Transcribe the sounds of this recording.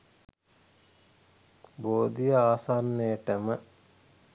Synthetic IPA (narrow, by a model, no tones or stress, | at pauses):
boːd̪ijəaːsanːejəʈəmə